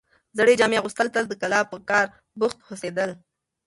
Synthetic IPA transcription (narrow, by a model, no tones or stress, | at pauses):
zaɽed͡ʒɑmeaɣust̪əlt̪əld̪əkalɑpəkɑɾ | bʊxt̪hosed̪əl